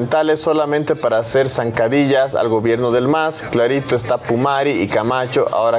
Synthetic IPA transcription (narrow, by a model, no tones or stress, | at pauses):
nt̪alessːo̞lamẽnt̪e̞paɾaːse̞ɾsaŋkaðiʎasa̰lɣo̞βje̞ɾnoðe̞lmasklaɾit̪oest̪apumaɾiikamat͡ʃo̞ʔa̰oɾa